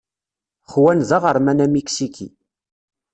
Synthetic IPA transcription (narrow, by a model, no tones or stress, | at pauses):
χwænzɑʁəɾˤmænæmiksikʰḭ